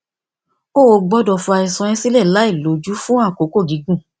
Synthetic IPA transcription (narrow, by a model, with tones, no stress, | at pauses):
o˦˨o˧ɡ͡bɔ˦dɔ˧˨fu˧a˧i˨˧sɔ̃˧ĩ˧˦si˦lɛ˦˨la˨˦i˦˨lo˨˦d͡ʒu˦fũ˦ã˦˨ko˨˦ko˦˨di˨˦ɡũ˦˨